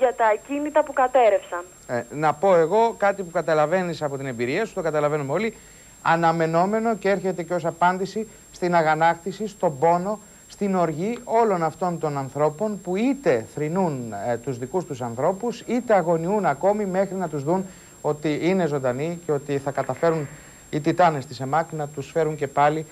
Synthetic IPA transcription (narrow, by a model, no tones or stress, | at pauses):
ʝɐt̪ɐcinit̪ɐpukɐt̪e̞ɾefsɐn | enɐpo̞e̞ɣo̞kɐt̪ipukɐt̪ɐlɐve̞nisɐpo̞t̪ine̞mbiɾiɐsu̥t̪o̞kɐt̪ɐlɐve̞numeo̞li | ɐnɐme̞no̞me̞no̞cee̞ɾçe̞t̪e̞ceo̞sɐpɐnd̪isi | st̪inɐɣɐnɐkt̪isist̪o̞bo̞no̞ | st̪ino̞ɾʝio̞lo̞nɐft̪o̞nt̪o̞nɐnθɾo̞po̞npuit̪e̞θɾinunt̪uzðikust̪usɐnθɾo̞pusit̪e̞ɐɣo̞niunɐko̞mime̞xɾinɐt̪uzðun | o̞t̪iine̞zo̞nd̪ɐniceo̞t̪iθɐkɐt̪ɐfe̞ɾun | it̪it̪ɐnest̪ise̞mɐknɐt̪usfe̞ɾuɲce̞pɐli